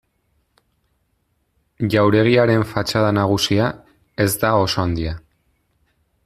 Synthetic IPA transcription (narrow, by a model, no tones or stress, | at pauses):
ʎawɾe̞ɣ̞iaɾe̞ɱfat͡ʃaðanaɣ̞usia | e̞zd̪ao̞so̞and̪ia